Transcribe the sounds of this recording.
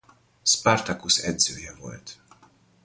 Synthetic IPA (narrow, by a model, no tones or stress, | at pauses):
spart̪akusɛd̪zøːjɛvo̞̰lt̪